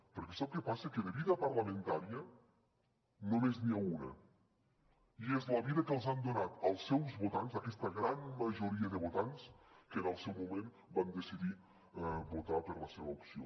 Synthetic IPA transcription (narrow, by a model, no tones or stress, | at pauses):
pəɾkɛsap̚kəpasəkəðəβiðəpəɾləmə̃nt̪aɾiə | nomezniaunə̰ | iezləβiðəkəlˠzand̪unat̪əlˠsːɛwzβut̪anzakɛst̪əɣɾanməʒuɾiəðəβut̪anskənəlˠsɛwmumem | band̪əsiði | but̪apəɾləseβəupsio̰